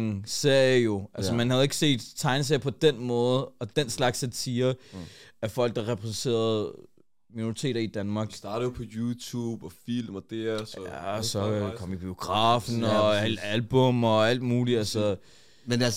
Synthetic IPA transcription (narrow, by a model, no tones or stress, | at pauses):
ŋse̝ɐ̰jəjo̝ælsəmænhæð̞̩ˠe̝ɡ̥se̝̰ːd̥t͡sʰɑ̈ɪns̬eɐ̰pʰɒ̽d̥enmɔ̽ːð̞̩ˠɒ̽d̥enslɑ̈ɡ̥sæt͡sʰiːɐ | æfɒ̽l̰ɡ̥̚d̥ɑ̈ʁɛpʰʁɛsn̩t͡sʰe̝̰ːɐð̩ˠ | minoʁit͡sʰe̝̰ːd̥ɐid̥ænmɑ̈ːɡ̥sɑ̈ːɾ̥ð̩ˠjopʰɒ̽juːt͡sʰuːb̥ɒfilmɒd̥eɐjæsɒ̽kʰɒ̽m̰ib̥io̝ɡ̥ʁɑ̈ːfn̩ɒlælb̥ɔ̽mɒ̽æl̰d̥muːliælsə | menæs